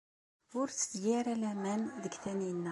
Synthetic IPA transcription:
ʊɾt͡sːə̥d̪jiɾælæmænðəɡθæninːæ

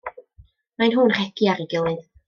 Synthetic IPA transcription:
majnɦuːnr̥ɛɡiaɾiɡɪlˠɨð

